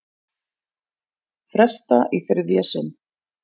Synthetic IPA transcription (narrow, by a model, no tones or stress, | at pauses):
fɾɛst̪aʔiθɪɾðjasɪn